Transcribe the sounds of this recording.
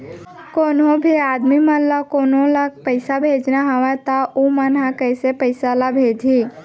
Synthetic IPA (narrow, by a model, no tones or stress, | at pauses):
koːnõbʱiaːd̪mimə̃lakoːnolapəɪsabʱeːd͡ʒnaɦəʋat̪aumənɦakəːsepəɪsalabʱeːd͡ʒʱi